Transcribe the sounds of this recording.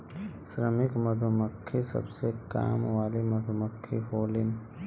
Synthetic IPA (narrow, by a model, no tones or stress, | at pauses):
sɾəmɪkmɐd̪ʱʊməkʰːisɐ̰bseka̰ːmwaːlimɐd̪ʱʊməkʰːḭɦoːlɪn